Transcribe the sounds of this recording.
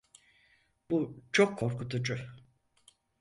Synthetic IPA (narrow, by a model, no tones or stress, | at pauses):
but͡ʃʰokʰːo̞ɾkut̪ud͡ʒʊ